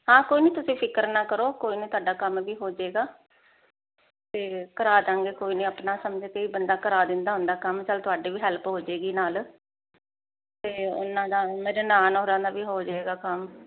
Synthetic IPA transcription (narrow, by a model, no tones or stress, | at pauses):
hãːkoːiːnẽːt̪ʊsĩːpʰɪkəɾnaːkəɾoːkoːiːnẽːt̪ʊaːɖaːkəmʋiːɦoːd͡ʒaeːɡaː | t̪eːkəɾaːd͡ʒãːŋɡeːkoːiːnẽːəpnaːsəmd͡ʒeːk̪eiːbənd̪aːkəɾaːd̪ɪnd̪aːɦʊ̃nd̪aːkəmt͡ʃəlt̪ʊaːɖiːʋiːɦɛlpɦoːd͡ʒeːɡiːnaːl | t̪eːʊ̰nːãːd̪aːmeːɾeːnaːnoːɾãːd̪aːʋiːɦoːd͡ʒaeːɡaːkəm